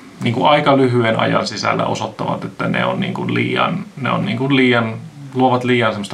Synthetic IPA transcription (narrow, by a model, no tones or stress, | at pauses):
niːŋkuɑikɑlyɦyenʔɑ̰jɑnsisælːæ̰ʔosot̪ːɑʋɑt̪et̪ːænḛonnḭːŋkunliːjɑ̰nneonniːŋkunliːjɑnluoʋɑt̪liːjɑnsemːost̪